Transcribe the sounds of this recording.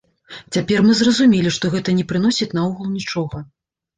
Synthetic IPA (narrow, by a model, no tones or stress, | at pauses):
t͡sʲapʲɛrmɨzrɐzumʲelʲiʂt̪ɔɣɛt̪ɐnʲɛpɾɨnɔsʲit͡sʲnauɣulˠnʲit͡ʂɔɣɐ